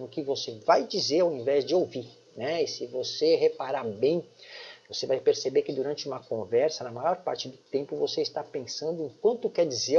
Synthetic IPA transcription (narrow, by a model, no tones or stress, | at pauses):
ʊkɪvosevajd͡ʒizeɾawẽvɛzd͡ʒɪowviɾ | nɛsɪvoseɦepaɾaɾbẽj̃vosevajpeɾsebeɾkɪd̪uɾɐ̃nt͡ʃɪũmɐkõvɛɾsɐnɐmajɔɾpa̰ɾt͡ʃɪd̪ʊt̪ẽmpʊvoseist̪apẽsɐ̃nd̪ʊẽkwɐ̃nt̪ʊkɛɾd͡ʒize